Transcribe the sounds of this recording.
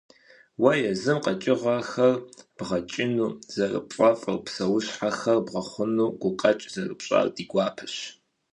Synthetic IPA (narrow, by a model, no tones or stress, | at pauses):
wɐjɛzɨmqʼɐt͡ʃʼɪʁaxɐrb̥ʁɐt͡ʃʼɪnuːz̥ɐrɨ̰pɕʼɐfʼɐ̰rpsɐwʊɕħaxɐrbʁɐχʷʊnuːɡ̥ʷʊqʼɐt͡ʃʼz̥ɐrɨ̰pɕʼa̰rdiːɡʷaːpʰɨɕ